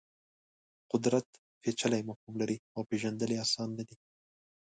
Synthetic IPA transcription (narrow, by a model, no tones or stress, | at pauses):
qʊd̪ɾat̪ | fet͡ʃalajmafhumlaɾiawpeʒand̪əleasɑnːad̪i